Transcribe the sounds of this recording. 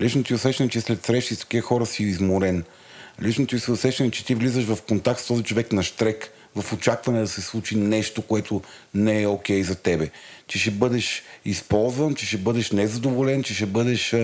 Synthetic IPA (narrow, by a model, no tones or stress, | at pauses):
lit͡ʃnot̪iʊsɛʃɛnɛt͡ʃɛslɛt̪sɾɛʃt̪ist̪o̥kʲiəxɔɾəsiizmoɾɛn | lit͡ʃnot̪iosiʊsɛʃɛnɛt͡ʃɛ̥t̪ivlizəʃvɐfkont̪ak̚t̪st̪ɔzit͡ʃovɛknɐʃt̪ɾɛk | vɐfot͡ʃakvɐnɛd̪ɐsɛslˠut͡ʃinɛʃt̪okoɛt̪ʰo | nɛɛokʲɛjzɐt̪ɛbɛt͡ʃɛʃɛbɤd̪ɛʃispɔlˠzvənt͡ʃɛʃɛbɤd̪ɛʃnɛzɐd̪ovolɛnt͡ʃɛʃ̬ɛbɤd̪ɛʃ